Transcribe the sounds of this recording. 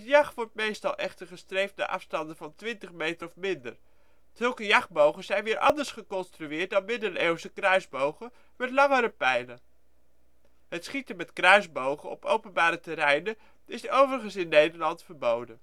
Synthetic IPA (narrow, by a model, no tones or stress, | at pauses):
ətjɑχʋɔɹtmejstɑlˠʔɛχtəɹχəstrejftna̰ːɹʔɑ̰fstɑndəvɑntʋɪntəχmejtərɔfmɪndə̰ɹ | z̥ɵlˠkəjɑχbowχəz̥ɛjnʋɪːɹʔɑ̰ndəɹsχəkɔnstryɪːɹt̚dɑnmɪndərewsəkrœɥzbowχə | mɛtlɑŋəɾəpɛjnən | ɦətsχitəmɛtkrœɥzbowχənɔ̰po̰wpənbaːɾətɛɾɛjnə | ɪsowvərəχənsɪnːejdəɹlɑntfəɹbowdən